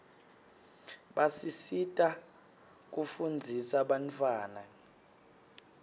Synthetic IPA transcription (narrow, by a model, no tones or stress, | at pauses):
ɓasisitʼa | k̬ʼufund͡zʱisaɓantʰʼwaːna